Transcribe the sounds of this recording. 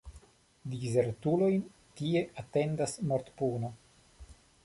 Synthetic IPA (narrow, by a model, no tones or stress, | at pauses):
dize̞ɾtulo̞jn | tie̞ʔate̞ndasmoɾt̪puno